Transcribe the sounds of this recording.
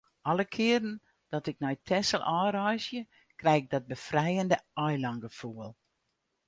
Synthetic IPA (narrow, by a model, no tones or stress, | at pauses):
ʔɑlˠəkʰɪəɾən̩ | d̥ɔtɪk̚nɔjtʰɛsəlˠʔɔːɾɔjsjə | krɛjɪk̚dɔt̚bəfrɛjəndəɔjlɑŋɡəfuəlˠ